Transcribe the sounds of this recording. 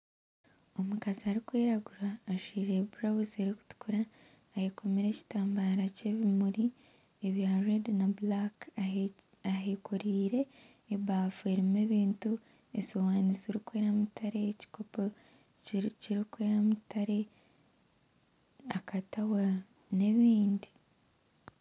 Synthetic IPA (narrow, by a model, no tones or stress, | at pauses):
o̞mukaziaɾikweːɾaɡuɾaːʃiːɾe̞buɾauzeɾiku̥tu̥kuɾaː | heko̞meɾe̞ci̥taːmbaɾace̞βimuɾi | eβjarednablak | aɦekʰoɾiːɾe̞ː | βaːfue̞ɾimeːβiːntu | esowaːniziɾikwe̞ːɾamutʰaɾe̞ci̥ko̞po | ciɾikweːɾamutaɾe̞ | akatawa | ne̞βiːndi